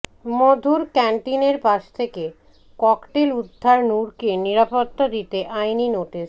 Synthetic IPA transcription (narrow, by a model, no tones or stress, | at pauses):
mod̪ʱuɾkɛɳʈineɾpaʃt̪ʰeke | kɔkʈelud̪ʱːaɾnuɾkeniɾapot̪ːad̪it̪eʔajninoʈis